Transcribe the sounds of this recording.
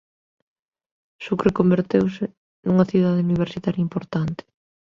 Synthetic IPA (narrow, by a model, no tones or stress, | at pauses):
sukrekombeɾt̪ewsɪ | nuŋɐθiðað̞euniβ̞eɾsit̪aɾjimpoɾt̪ant̪ɪ̥